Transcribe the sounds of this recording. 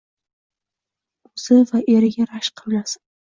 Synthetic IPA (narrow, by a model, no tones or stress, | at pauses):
ɵz̥ɪvaʔe̞ɾɪɡʲaɾaʃqʰɨllas